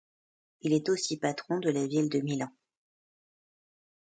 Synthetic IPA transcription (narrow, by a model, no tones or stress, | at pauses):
ilɛt̪osipat̪χɔ̃d̪əlavild̪əmilɑ̃